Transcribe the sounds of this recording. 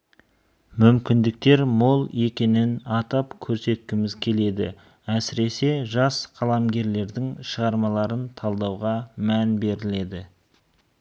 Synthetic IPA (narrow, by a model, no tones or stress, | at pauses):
mʏmkʲɪnd̪ɪk̚t̪e̞ɾmolˠe̞kʲe̞nɪnɑt̪ɑpkʲʰɵɾse̞t̪̚kʲɪmɪzkʲʰe̞le̞d̪ɪ̰ | æsɪɾe̞se̞ʒɑsqʰɑlˠɑmɡʲe̞ɾle̞ɾd̪ɪŋʃəʁɑɾmɑlˠɑɾənt̪ʰɑlˠd̪ɑwʁɑmænbe̞ɾɪle̞d̪ɪ